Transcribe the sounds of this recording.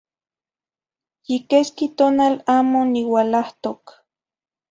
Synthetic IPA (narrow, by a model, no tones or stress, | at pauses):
jikeskit̪oːnalaːmoniwalaht̪ok